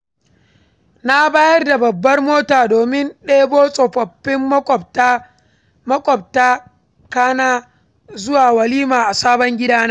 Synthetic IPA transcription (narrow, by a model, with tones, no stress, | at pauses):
na˦baː˦jɐ˦rda˨bɐ˨bːɐ˦rmoː˦taː˨doː˨mɪ˦nɗeː˦boː˦sʼɔ˨ɸɐ˨pːɪ˦mː˦kʼɔ˨t | mɐ˦kʷʼɔ˨b̚taː˦ | kaː˦naː˦ | zʊ˦waː˨wɐ˨liː˦maː˨ʔa˨saː˦bɔ˦ŋɡʲɪ˦daː˦ne˦